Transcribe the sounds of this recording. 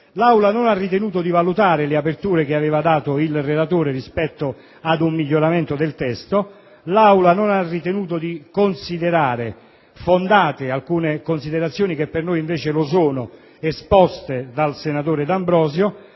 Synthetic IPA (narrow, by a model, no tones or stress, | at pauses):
lawlanonarːit̪enuːt̪̬od̪ivalut̪aːɾeleapert̪uːɾek̟eaveːvad̪aːt̪oilrelat̪oːɾerispɛt̪ːo | ad̪umːiʎːoɾament̪od̪elt̪ɛst̪o | lawlanonarːit̪enuːt̪od̪ikonsid̪eɾaːɾe | fond̪aːt̪ɪalkuːnekonsid̪eɾat̪sːjoːnik̟epːernojiɱveːt͡ʃelos̬oːno | espɔst̪ed̪alsenat̪oːɾed̪ambɾɔːzjo